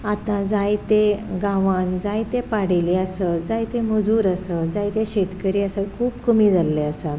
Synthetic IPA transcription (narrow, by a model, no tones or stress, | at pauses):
at̪ãd͡zajt̪eɡãʋãnd͡zajt̪epaɽeliəsəd͡zajt̪eməd͡zuːɾəsəd͡zajt̪ẽɕet̪kəɾiːəsəkʰuːbkəmiːd͡zalːeəsa